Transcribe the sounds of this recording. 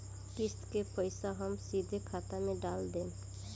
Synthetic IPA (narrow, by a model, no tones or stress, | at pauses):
kist̪kepɔjsaɦɔmsid̪ʱekʰat̪ameɖald̪en